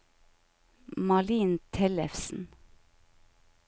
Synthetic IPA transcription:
mɑliːnt̪ʰɛlɛfsn̩

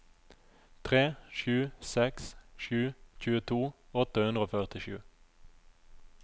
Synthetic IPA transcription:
t̪ʰʁeːʃʉːsɛksʃʉːc͡çʉːət̪ʰuːɔt̪əhʉnd̪ʁəoːfœʁt̪ɪʃʉ̰ː

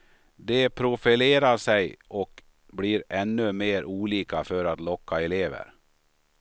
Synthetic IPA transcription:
d̪ɛpʰɾʊfɪleːɾaʂɛjʔɔk | bliːɾɛnːɵmeːɾʔuːliːkaføɾat̪lɔkːaɛleːvə̰ɾ

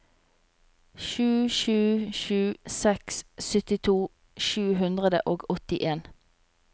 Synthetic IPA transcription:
ʃʉːʃʉːʃʉːsɛkssʏt̪ɪt̪ʰuː | ʃʉːɦʉnd̪ʁəd̪ə̰ʔoːɡɔt̪ɪʔeːn

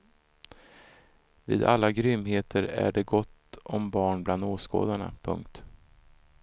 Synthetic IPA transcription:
viːd̪alːaɡɾʏmːheːt̪ʰəɾæ̰ɖɛɡɔt̪ːɔmbɑːɳbland̪oːsko̰ːd̪aɳa̰pʰɵ̰ŋk̚t̪

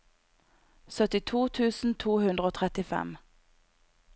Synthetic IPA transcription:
sœt̪ɪt̪ʰuːt̪ʰʉːsn̩t̪ʰuːhʉnd̪ʁəoːt̪ʰʁɛt̪ɪfɛ̰m

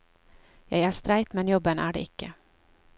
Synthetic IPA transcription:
jɑjæːʂt̪ɾæɪt̪mɛnjɔbːənæ̰ːɖɛ̰ːɪkːə

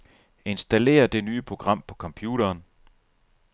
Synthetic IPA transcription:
e̝nsd̥æle̝̰ːɐd̥e̝nyːpʰʁo̝ɡ̥ʁɑ̈m̰pʰɒ̥̽kʰɒ̽mpʰjuːɾ̥ɐːn

